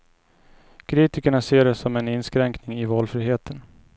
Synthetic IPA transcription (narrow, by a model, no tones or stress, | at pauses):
kʰɾiːt̪ɪkəɳaseːɖɛsɔmɛnɪnskɾɛŋknɪŋɪvɑːlfɾiːɦeːt̪ʰən